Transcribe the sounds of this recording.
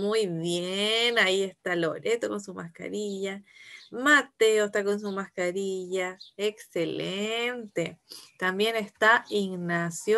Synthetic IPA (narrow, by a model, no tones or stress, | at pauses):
mujβjenaiest̪alo̰ɾet̪okonsumahka̰ɾiʝamat̪eost̪akons̬umahkaɾiʝaekselent̪et̪ambjenest̪aiŋnasjo